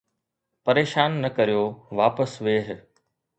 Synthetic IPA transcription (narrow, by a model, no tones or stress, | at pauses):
pɐɾeːʃaːnːɐkɐɾijoːʋaːpəsʋeːɦ